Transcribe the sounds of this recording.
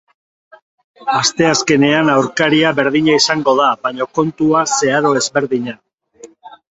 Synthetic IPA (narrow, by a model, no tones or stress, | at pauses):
ast̪e̞aske̞ne̞anawɾkaɾiaβe̞ɾðiɲaisaŋɡo̞ðabaɲo̞ko̞nt̪uase̞aðo̞e̞zβe̞ɾðiɲa